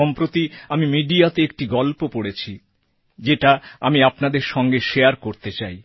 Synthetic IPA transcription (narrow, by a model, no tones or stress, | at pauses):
ɔmpɾot̪iamimiɖiat̪eek̚ʈiɡɔlpopoɽet͡ɕʰi | d͡ʑeʈaamiapnad̪eɾʃɔŋɡeʃeaɾkoɾt̪et͡ɕaj